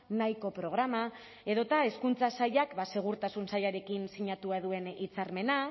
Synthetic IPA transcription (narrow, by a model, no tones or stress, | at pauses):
najko̞pɾo̞ɣ̞ɾama | e̞ðo̞t̪ae̞skunt͡sasajakbase̞ɣ̞uɾt̪asunsajaɾe̞kinsiɲat̪uaðue̞nit͡saɾme̞na